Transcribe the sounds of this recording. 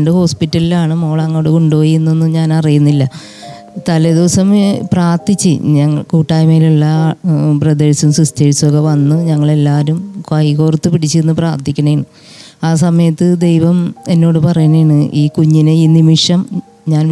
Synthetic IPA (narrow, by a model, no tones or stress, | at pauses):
ɳɖɨho̞ːspitːɐlilaːɳɨmoːɭaːŋːoːɽekuɳɖojienːonːɨɲaːnɐrijunːilːɐ | t̪ɐlɐd̪iʋɐsɐmpraːrt̪it͡ɕːɨɲɐŋːɐkuːʈːaːjmeiluɭːɐprɐd̪ɐɻsɐmsrust̪ʰɐɻsɐɣɐʋɐnːɨɲɐŋːɐɭe̞lːaːɾumkɐjko̞ːrt̪ːɨpiɽit͡ɕːɨenːɨpraːrt̪ikʲːunɐjɐɳɨ | aːs̬ɐmɐjɐt̪ːɨd̪e̞jʋɐme̞nːo̞ːɽɨpɐrɐjuɳɐjɳɨʔiːkuɲːinɨiːnimiʂɐm | ɲaːn